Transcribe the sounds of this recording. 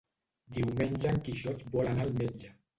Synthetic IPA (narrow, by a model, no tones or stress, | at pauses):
d̪iwmenʲʒaŋkiʃɔt̪bɔlanalmed͡ʒa